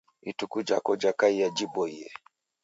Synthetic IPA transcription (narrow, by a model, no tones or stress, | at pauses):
itukud͡ʒa̰kɔd͡ʒakaijad͡ʒibɔiɛ̰